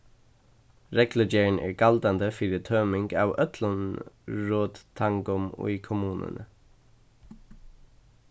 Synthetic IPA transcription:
ɾɛklʏd͡ʒeːɳʔæ̰ːɡɑld̪ɑnd̪əfiɾɪt̪ʰøːmɪŋɡɑ̰ːʋœt̪ʰlənɹoːd̪t̪ʰːɑŋɡɔmʊ̰ʏkʰʊmʉːnə̰nə̰

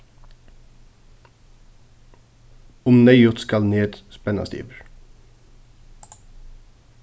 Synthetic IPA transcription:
ʊmnœʏʊt̪skɑlneːd̪spɛnɑ̰st̪ḭːʋəɹ

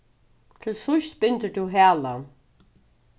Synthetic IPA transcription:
t̪ʰɪlsʊʃt̪bɪnt̪əd̪uɦæːlan

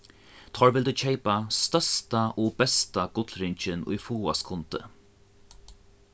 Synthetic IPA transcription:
t̪ʰɔɹvɪld̪ʉt͡ʃʰɛɪpast̪œst̪aʔɔːbɛst̪aɡ̥ʊt̪lɾɪɲt͡ʃɪnʊ̰jfuːa̰skʰʊnt̪ə̰

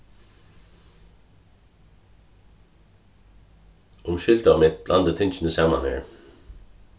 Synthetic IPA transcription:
ʊmʃʏld̪əɑʋmɪt̪̚blʔɑ̰nd̪ət̪ʰɪnt͡ʃn̩əsɛmɑ̰nhḛːɹ

